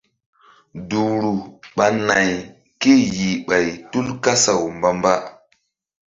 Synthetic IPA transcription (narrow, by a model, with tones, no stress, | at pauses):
du˨ɾu˨ɓa˨na˨j | ki˦˨ji˨ɓa˨jtu˦lka˦sa˨wmba˨mba˦